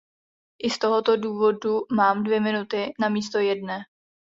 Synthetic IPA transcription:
ʔɪst̪o̞ɦo̞t̪o̞duːvo̞dumaːmdvjɛmɪnut̪ɪnamiːst̪o̞jɛdnɛː

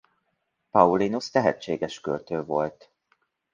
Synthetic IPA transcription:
pɒulinust̪ɛɦɛ̰t͡ʃt͡ʃːḛːɡɛʃkølt̪øːvo̞lt̪

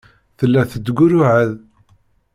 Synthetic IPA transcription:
θəlːæθəd̪ɡʷʊɾʊʕəð

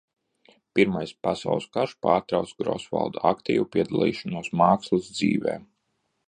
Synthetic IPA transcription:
piɾmajspasa̰wlˠskaɾʃpaːɾt̪ɾawt̪sɡɾɔ̰sva̰lˠd̪aakt̪ḭːvupʲiɛd̪alˠḭːʃɔnuɔsmaːkslˠizd̪zḭːvɛ̰ː

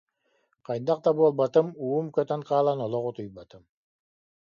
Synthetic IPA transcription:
qʰɑjnd̪aq̚t̪abuɔlˠbat̪ɯmuːumkœt̪ɛŋqʰɑːlˠanɔlˠɔʁut̪ujbat̪ɯm

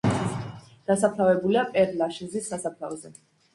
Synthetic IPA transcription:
d̪̥asap̚ʰt̪ʰavɛbuliapʼɛɾlaʃizisːasap̚ʰt̪ʰavɔzɛ

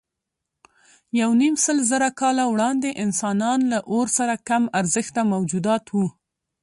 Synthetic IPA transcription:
jawnimsəlzəɾakɑlawɽɑnd̪eʔɪnsɑnɑnlaʔoɾsaɾakamaɾzəxt̪amawd͡ʒud̪ɑt̪wu

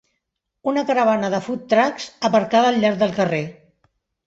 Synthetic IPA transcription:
unəkəɾəβ̞anəðəfut̪ːɾakz̥əβəɾkaðəːlˠʎːaɾd̪əlˠkəre

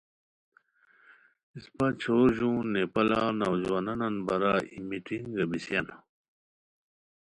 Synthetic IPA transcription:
ispat͡ɕʰoʑũnepɐlanawzwanɐnɐnbɐɾaḭmitinɡɐbisjɐn

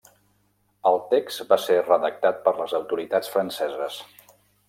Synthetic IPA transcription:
əlˠt̪ekst̪baserəðək̚t̪at̪̚pəɾləzəwt̪uɾit̪at͡sfɾənsɛzəs

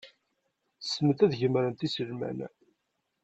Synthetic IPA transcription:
sːmət̪æðʝəmɾənt̪isəlmæ̰n

